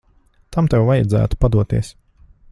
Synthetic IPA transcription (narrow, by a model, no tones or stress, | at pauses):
t̪ʰamt̪ɛwvajad̪zæ̰ːt̪u̥pad̪uɔt̪ḭɛs